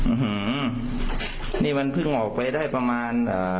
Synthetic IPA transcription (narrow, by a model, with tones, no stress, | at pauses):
ʔɯ˧hɯ˧ | niː˥˩ma˧npʰɯ˥˩ŋʔɔː˨˩k̚pa˧jdaː˥˩jpa˧maː˧nʔaː˨˩